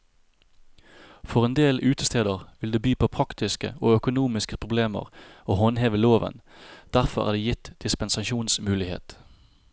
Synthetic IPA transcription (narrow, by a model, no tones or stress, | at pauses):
fɔʁeːnd̪eːlʉːt̪əst̪ʰeːd̪əʁʋɪld̪eːbyːpʰoːpʰʁɑkt̪ɪskə̰oːœkʊnuːmɪskəpʰʁʊbleːmə̰ʁoːhɔnheːʋəloːʋə̰n | d̪̥æʁfɔʁæ̰ːd̪eːjɪt̪d̪̥ɪspənsɑʃuːnsmʉːlɪhḛːt̪